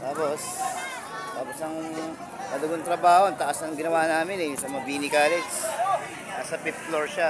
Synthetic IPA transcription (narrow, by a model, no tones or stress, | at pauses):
t̪aːpo̞s | t̪aːposɐŋ | mɐd̪ɐɡont̪ɾɐbaːhont̪ɐʔasɐŋɡɪnɐwaːʔnaːmɪnɛsɐmɐɐbiːnɪkaːlɛɡs | asɐpɪp̚loɹʃa